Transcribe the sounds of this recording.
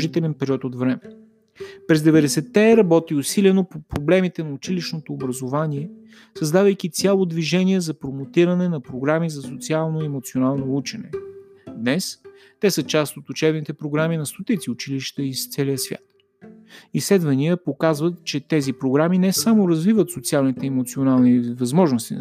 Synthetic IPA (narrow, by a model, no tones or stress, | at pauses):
ʒit̪ɛlɛnpɛɾiɔt̪ot̪vɾɛmɛ | pɾɛzd̪ɛvɛd̪ɛsɛt̪ːɛɾɐbɔt̪iʊsilɛnopopɾoblɛmit̪ɛnɐʊt͡ʃiliʃnot̪oːbɾɐzovaniɛ | sɐzd̪avəjk̟it̪sʲjalˠod̪viʒɛniɛzɐpɾomot̪iɾɐnɛnɐpɾoɡɾamizɐsot̪sialˠnoiɛmot̪sʲionalˠnout͡ʃɛnɛ̰ | d̪nɛs | t̪ɛsət͡ʃast̪ot̪ʊt͡ʃɛbnit̪ɛpɾoɡɾaminɐst̪ot̪it̪siʊt͡ʃiliʃt̪əist̪sɛliəsvʲja̰t̪ | islɛd̪vɐniəpokazvət̪t͡ʃɛt̪ɛzipɾoɡɾaminɛsamoɾɐzvivət̪sot̪sialˠnit̪ɛɛmot̪sionalˠnivɐzmɔʒnost̪i